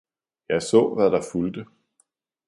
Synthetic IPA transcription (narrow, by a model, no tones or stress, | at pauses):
jɑ̈ɪsɔ̰̽ːʋæd̥ɑ̈fuld̥ə